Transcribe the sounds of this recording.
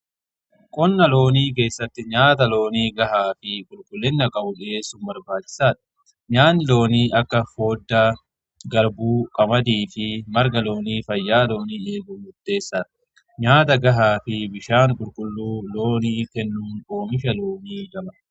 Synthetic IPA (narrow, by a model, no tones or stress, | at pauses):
kʼɔnːɐlo̞ːniːk̬e̞ːsːɐt̪ːɪɲaːt̪ɐlo̞ːniːɡɐɦaːfɪkʼʊlkʼʊlːɪnːɐkʼɐʔʊᶑe̞ːsʊmbɐɾbaːt͡ʃːɪ̥saːᶑɐ̥ | ɲaːnlo̞ːniːʔɐkːɐfo̞ːd̪ːaː | ɡɐɾbuːkʼɐmɐd̪iːfɪmɐɾɡɐlo̞ːniːfɐjːaːlo̞ːniːe̞ːɡʊmʊd̪ːe̞ːsːaːᶑɐ | ɲaːt̪ɐɡɐɦaːfɪbɪʃaːŋkʼʊlkʼʊlːuːlo̞ːniːkɛnːuːno̞ːmɪʃɐlo̞ːniːɡɐmɐ